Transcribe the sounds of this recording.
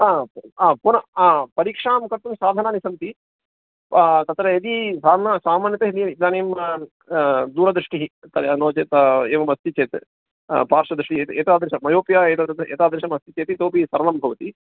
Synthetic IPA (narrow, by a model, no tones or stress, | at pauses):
aːaːpunɐaːpɐɾikʂaːmkɐɾt̪umsaːd̪ʱɐnaːnisɐnt̪i | t̪ɐt̪ɾɐɐt̪isaːnasaːmaːnjɐt̪ɐɦid̪ijɐit̪aːneːm | d̪uːɾɐd̪ɾuʂʈiɦit̪ɐnoːt͡ʃeːt̪ɐeːʋɐmɐst̪it͡ʃeːt̪ | paːɾʂɐd̪ɾiʂʈieeːt̪aːd̪ɾʃɐmɐjoːpjaːeːt̪ḛːt̪aːd̪ɾʃɐmɐst̪it͡ʃeːt̪it̪oːpisɐɾɐlɐmbʱɐʋɐt̪i